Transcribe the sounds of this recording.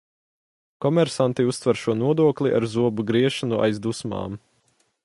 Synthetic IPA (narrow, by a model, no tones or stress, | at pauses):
kɔmɛɾsant̪iust̪vɛɾʃuɔnuɔd̪uɔklˠiʔa̰ɾzuɔbuɡɾiɛʃanuʔa̰jzd̪usma̰ːm